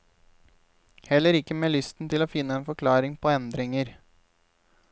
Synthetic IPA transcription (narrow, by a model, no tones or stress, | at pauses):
hɛlːəɾɪkːəmeːlʏst̪n̩t̪ʰɪloːfɪnːəeːnfɔkʰlɑːɾɪŋpʰoːɛnd̪ɾɪŋəɾ